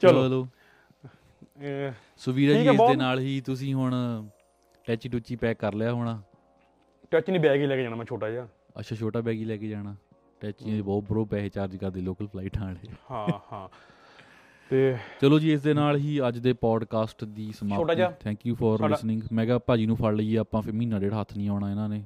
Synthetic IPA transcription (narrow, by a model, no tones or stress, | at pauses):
t͡ʃəloː | sʊʋiːɾaːiːesdeːnaːlɦiːt̪ʊs̬ĩːɦʊɳ | ʈɛːt͡ʃiːʈuːt͡ʃiːpɛːkəɾljaːɦoːɽ̃aː | ʈɛːt͡ʃnĩːbɛːɡiːlɛːkeːd͡ʒaːnãːmɛ̃ːt͡ʃʰoːʈaːd͡ʒaː | ə̰tːʃʰãːt͡ʃʰoːʈaːbɛːɡiːlɛːkeːd͡ʒaːɽ̃aː | ʈɛːt͡ʃiãd̪ebɔːt̪̚bəɾoːpɛːeːt͡ʃaːɾd͡ʒkəɾd̪eːloːkəlpʰlaːiʈnaːleːhãhãː | t̪eːt͡ʃəloːd͡ʒiːɪs̬d̪eːnaːlɦiːəd͡ʒd̪eːpɔːɖkaːsʈd̪iːsəmaːoːʈaːd͡ʒaːt̪ʰɛ̃ːŋkjuːpʰɔːɾlɪsnɪ̃ŋɡmɛ̃ːɡaːpaːd͡ʒiːnũːpʰəlːəiɛːaːpãːpʰɪɾmiːnãːd͡ʒeːɽaːɦət̪ʰːnĩːaːɽ̃aːɪnãːneː